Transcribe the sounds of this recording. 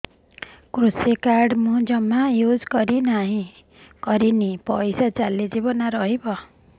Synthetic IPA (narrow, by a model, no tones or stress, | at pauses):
kɾusekaɾɖmud͡ʒɔmːajud͡ʒkɔɾinaɦĩ | kʌɾinipʌjsat͡ʃalid͡ʒibɔnaɾʌɦibʌ